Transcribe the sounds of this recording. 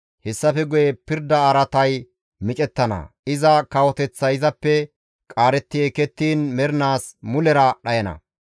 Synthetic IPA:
hɛsːɐfɛɡʊjɛpɪɾd̪ɐːɾɐt̪ɐj | mɪt͡ʃʼɛt̪ːɐnɐ̰ɪzɐkɐwɔt̪ɛt͡sːɐjɪzɐpːɛ | kʼaːɾɛt̪ːɪjekɛt̪ːiːnmɛɾnaːsmʊlɛɾɐɗɐjɐnɐ̰

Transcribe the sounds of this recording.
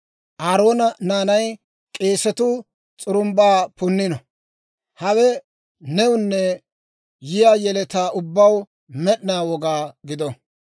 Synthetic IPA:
ʔaːɾo̞ːnɐnaːnɐj | kʼe̞ːsɛt̪ʊ | t͡sʼʊɾʊmbaːpʊnːɪnɔ | hɐwɛ | nɛwʊnːɛ | jɪjaːjɛlɛt̪aːʔʊbːɐw | mɛɗɪnaːwɔɡaːɡɪd̪ɔ

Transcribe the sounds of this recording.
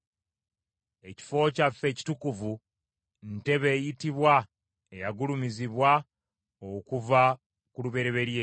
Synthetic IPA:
e̞ci̥fo̞ːcafːe̞ːci̥tukuvu | nte̞βe̞ːjitiβwa | ejaɡulumiziβwa | okuva | kuluβe̞ɾe̞βe̞ɾje

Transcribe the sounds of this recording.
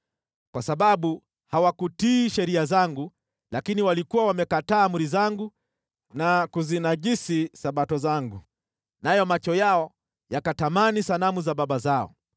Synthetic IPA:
kwasaɓaɓu | hawakutiʃɛɾiazaŋɡu | lakiniwalikuwawamɛkataːmuɾizaŋɡu | nakuzinaʄisisaɓatɔzaŋɡu | najɔmat͡ʃɔjaɔ | jakatamanisanamuzabɓaɓazaɔ̰

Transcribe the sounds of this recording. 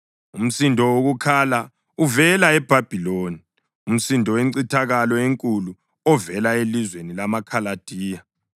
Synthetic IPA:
um̩sindʱɔwoɣukʰala | uvɛlaɛb̥ʱab̥ʱiloːni | um̩sindʱɔweǀitʰaɣalɔeŋkʼulu | ɔvɛlaelizwenilamakʰalad̥ʱiːja

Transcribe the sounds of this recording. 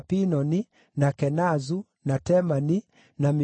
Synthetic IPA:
pinɔni | nakɛnazu | natɛmani | nami

